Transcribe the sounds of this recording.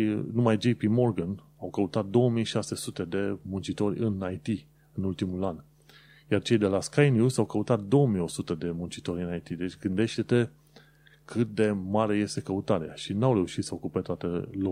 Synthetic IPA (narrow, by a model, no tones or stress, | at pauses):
numajd͡ʒejpimo̞rɡən | awkəut̪at̪̚d̪o̞wəmijʃase̞sut̪e̞d̪e̞munt͡ʃit̪o̞rʲɨnajt̪i | ɨnult̪imulan | jart͡ʃe̞jd̪e̞laskajnjusawkəut̪at̪̚d̪o̞wəmijo̞sut̪əd̪e̞munt͡ʃit̪o̞ɾʲɨnajt̪id̪e̞t͡ʃʲɡɨnd̪e̞ʃt̪e̞t̪e̞ | kʰɨt̪̚d̪e̞maɾe̞je̞st̪e̞kəut̪aɾeaʃinawɾe̞uʃit̪səokupet̪at̪əlo